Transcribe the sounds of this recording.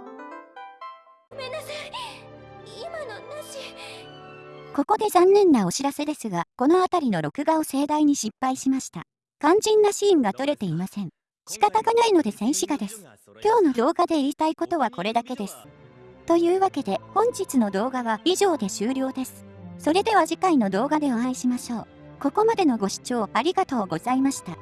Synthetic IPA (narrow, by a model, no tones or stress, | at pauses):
menasai | imanonaʑi | ko̞ko̞d̪e̞zãnːẽ̞nːao̞ɕiɾase̞d̪e̞sɨɡako̞no̞at̪aɾʲino̞ɾo̞kɯ̟ɡao̞se̞ːd̪aiɲ̟iɕipːaiɕimaɕi̥t̪a̰ | kãɲ̟d͡ʑĩnːaɕiːŋɡat̪o̞ɾe̞t̪e̞imasẽ̞ɴ | ɕi̥kat̪aɡanaino̞d̪e̞sẽ̞ɰ̃ɕiɡad̪e̞sɨ̥ | kʲo̞ːno̞d̪o̞ːɡad̪e̞iɾʲit̪aiko̞t̪o̞β̞ako̞ɾe̞d̪ake̞d̪e̞sɨ̥t̪o̞jɯ̟ːβake̞d̪e̞hõ̞ɲ̟d͡ʑit͡sɨno̞d̪o̞ːɡaβaiʑo̞ːd̪e̞ɕɨːɾʲo̞ːd̪e̞sɨ̥ | so̞ɾe̞d̪e̞β̞aʑikaino̞d̪o̞ːɡad̪e̞oãiɕimaɕo̞ː | ko̞ko̞mad̪e̞no̞ɡo̞ɕi̥t͡ɕo̞ːaɾʲiɡat̪o̞ːɡo̞zaimaɕi̥t̪a